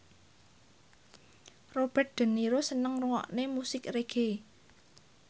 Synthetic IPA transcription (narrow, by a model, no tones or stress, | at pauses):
rob̥ɛt̪̚d̪̥ə̤nːiɾosənəŋruŋɔ̰ʔnemusɪkreɡ̥e